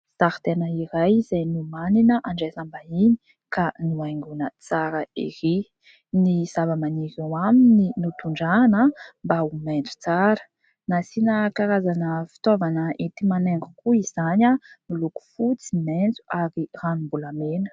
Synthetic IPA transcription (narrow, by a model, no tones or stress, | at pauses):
z̥aɾt̪enəiɾajz̥ajnumaninəʔaɳɖ͡ʐesambaini | kanuajŋɡunət͡saɾəḭɾi | nizavamaniɾewamininut̪uɳɖ͡ʐanəmbaumend͡zu̥t͡saɾə | nasinəkaɾazanəfi̥t̪ovanəʔit̪imaneŋɡukuiz̥aɲanuluku̥fut͡simend͡zuʔaɾiranumbulamenə̥